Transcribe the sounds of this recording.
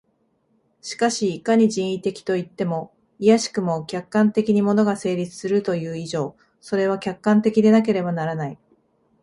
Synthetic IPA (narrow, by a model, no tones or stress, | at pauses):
ɕi̥kaɕiːkaɲ̟iʑĩɰ̃it̪e̞kʲi̥t̪o̞it̪ːe̞mo̞ | ijaɕi̥kɯ̟mo̞kʲakːãnt̪e̞kʲiɲ̟imo̞no̞ɡase̞ːɾʲit͡sɨ̥sɨɾɯ̟t̪o̞jɯ̟ːiʑo̞ː | so̞ɾe̞β̞akʲakːãnt̪e̞kʲid̪e̞nak̬e̞ɾe̞banaɾanai